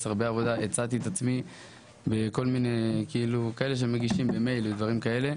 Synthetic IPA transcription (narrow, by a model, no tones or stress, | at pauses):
saʁbeavo̞d̪aʔet͡sat̪iet̪at͡smi | beko̞lminekiilukaeleʃ̬emeɡiʃimbemejled̪vaʁimkae̞le̞